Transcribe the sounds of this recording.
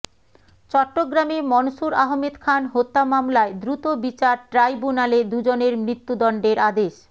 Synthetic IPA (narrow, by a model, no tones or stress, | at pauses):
t͡ɕɔʈːoɡɾamemɔnʃuɾaɦmed̪kʰanɦot̪ːamamlaed̪ɾut̪obit͡ɕaɾʈɾajbunaled̪ud͡ʑoneɾmɾit̪ːud̪ɔɳɖeɾad̪eʃ